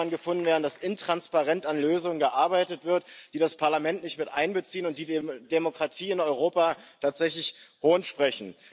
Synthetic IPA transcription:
nɡəfʊndn̩veːɐdn̩dasʔɪntʁ̥anspaʁɛntanløːzʊŋənɡəʔaɐbaɪtətv̥ɪɐtd̥iːɾaspʰaɐlamɛntnɪçtmɪtʔa̰ɪnbət͡siːənʊnt̚d̥iːd̥emokʁ̥atʰiːɪnɔʏʁ̞oːpatʰaːtz̥ɛçlɪçhoːnʃpʁ̥ɛçn̩

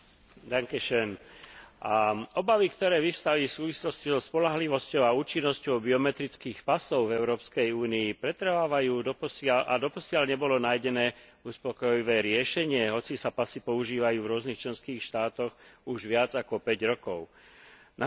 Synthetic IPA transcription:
d̪aŋkɛʃɛn | aɔbaʋikt̪ɔɾɛːʋiʊst̪aʋiːfsuːʋislɔscizɔspɔlaɦliʋɔscɔʊauːt͡ʃinːɔscɔʊbiɔmɛt̪ɾit͡skiːxpasɔʊvɛʊɾɔːpskɛjuːniːpɾɛt̪ɾʋaːʋajuːd̪ɔpɔsɪalʔad̪ɔpɔsɪaʎɲɛbɔlɔnajɟɛnɛːuspɔkɔjiʋɛːɾɪɛʃɛɲɪɛɦɔt͡sisapasipɔuʒiːʋajuːvɾʊɔzniːxt͡ʃlɛnskiːxʃt̪aːt̪ɔɣuʒʋɪad͡zakɔpɛɟɾɔkɔʊ | na

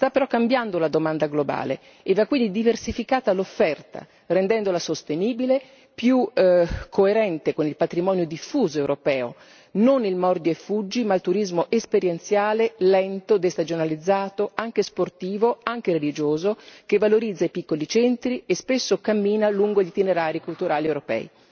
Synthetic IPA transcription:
st̪apːeɾɔkːambjand̪olad̪omand̪aɡloba̰ːlḛ | evːakːwind̪id̪iversifikaːt̪alofːɛrt̪a̰ | rend̪ɛnd̪olasost̪eniːbile | pjukʰːoeɾɛnt̪ekonilpat̪ɾimɔːnjod̪ifːuːzoewɾopɛːo̰ | nonilmɔrd̪joefːud͡ʒːimalt̪uɾizmoʔespeɾjent̪sjaːlelɛnt̪od̪est̪ad͡ʒonalid̪zːaːt̪oaŋk̟esport̪iːvoaŋk̟eɾelid͡ʒoːzokevːaloɾid̪zːaipikːolit͡ʃɛnt̪ɾiespesːokamːiːnaluŋɡoʎit̪ineɾaːɾikult̪uɾaːliewɾopɛ̰ːi

